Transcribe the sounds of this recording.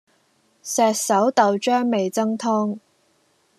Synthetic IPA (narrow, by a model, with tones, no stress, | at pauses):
sɛː˨t̚sɐ˨˥wt̪ɐ˨wt͡ʃœː˥ŋme˨jt͡sɐ˥ŋt̪ʰɔː˥ŋ